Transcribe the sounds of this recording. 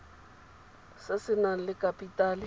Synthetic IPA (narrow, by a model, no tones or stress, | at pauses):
sasɪnalɪkʼapʼitʼaːlɪ